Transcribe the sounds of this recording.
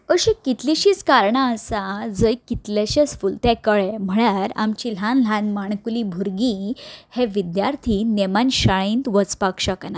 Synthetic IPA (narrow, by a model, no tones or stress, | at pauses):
əɕikit̪liɕiːt͡skaɾɳaːsad͡zəjkit̪laɕət͡sfult̪ɛkəɭem̤əɽaɾa̰mt͡ɕilãnlãnmaɳ̃kulibʱuɾɡihɛʋid̪jaɾt̪ʰinemanɕaɭĩːnt̪ʋət͡spakʂakana